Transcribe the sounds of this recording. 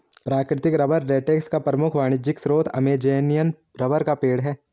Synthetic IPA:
pɾaːkɾɪt̪ɪkɾɐbəɾːeːʈeːkskapɾɐmʊkʰʋaːɽ̃ɪd͡ʒɪksɾoːt̪ʰɐ̰meːd͡ʒeːnijən | ɾɐbəɾkapeːɽɦɛː

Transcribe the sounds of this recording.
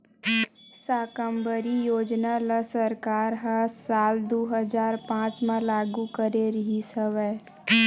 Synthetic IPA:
saːkəmbəɾijoːd͡ʒnaləsəɾkaːɾɦasaːld̪oːɦəd͡ʒaːɾpãːt͡ʃmãlaːɡukəɾeɾəɦisəʋɛː

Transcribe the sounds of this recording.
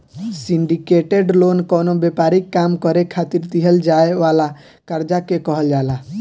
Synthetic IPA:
siɳɖikeʈeɖlonkɔnobepaɾikːamkɔɾekʰːat̪iɾd̪iɦəld͡ʒaeʋala | kaɾd͡ʒakekɔɦəld͡ʒala

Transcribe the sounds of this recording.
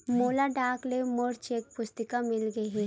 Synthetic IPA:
moːlaɖaːklemoɽt͡ʃeːk̚pʊst̪ɪkamɪlɡɐɛ

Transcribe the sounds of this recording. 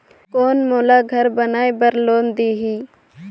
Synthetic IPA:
koːnmoːlaːɡʱəɾbɐnaːebəɾloːnd̪iːɦiː

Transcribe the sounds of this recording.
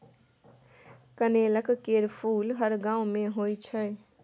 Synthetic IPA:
kəneləkkeɾpʰulɦəɾɡãũmẽɦojt͡ʃʰə

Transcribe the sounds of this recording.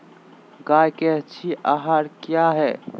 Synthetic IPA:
ɡajkɛt͡ʃʰiʔaɦaɾkjaɦɛ

